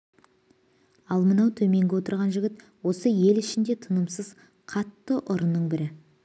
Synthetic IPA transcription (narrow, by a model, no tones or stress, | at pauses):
ɑlˠmənɑwt̪ʰɵme̞ŋɡʲewo̞t̪əɾʁɑnʒɪɡʲɪt̪ | wo̞səje̞lɪʃɪnd̪et̪ʰənəmsəz | qʰɑt̪ːəʔʊɾənːəɴbɪɾɪ